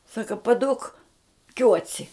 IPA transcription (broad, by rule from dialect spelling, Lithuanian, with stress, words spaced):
ˈsɑːkɐ pɐˈduɔk ˈkʲuɔt͡sʲɪ